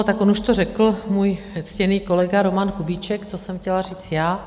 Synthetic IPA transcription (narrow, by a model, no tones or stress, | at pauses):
ot̪akonuʃt̪orɛkl̩muːj | ɛt͡scɛniːko̞lɛɡaɾo̞mankubiːt͡ʃɛkt͡sosɛmxcɛlariːt͡sjaː